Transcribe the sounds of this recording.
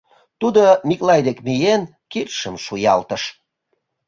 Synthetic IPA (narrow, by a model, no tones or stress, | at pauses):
t̪ud̪omʲiklɑjd̪ekmijen | kirʃəmʃujɑlt̪əʃ